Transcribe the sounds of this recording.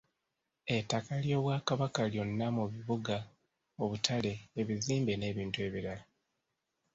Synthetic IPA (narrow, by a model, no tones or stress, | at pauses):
e̞takaljo̞ːβwakaβakaljo̞nːamuβiβuɡa | o̞βutʰale̞ːβiziːmbe̞ne̞ːβiːntue̞βiɾala